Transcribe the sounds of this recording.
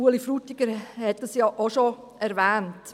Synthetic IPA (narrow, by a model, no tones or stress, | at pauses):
uəlifɾutiɡ̥əɾhɛt̚d̥ɑsjɑʔoʃo | ɛɾvɛːnt